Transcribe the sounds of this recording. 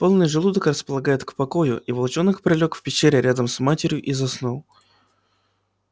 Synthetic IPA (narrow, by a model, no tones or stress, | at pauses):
po̞lˠnɨjʐɨlˠud̪əkrəspəlˠɐɡajɪt̪kpɐko̞jʊ̰ʔivɐlˠt͡ɕo̞nəkpɾʲɪlʲo̞kfʲpʲɪɕeɾʲɪɾʲad̪əmsmatʲɪɾʲjʊʔizɐsnulˠ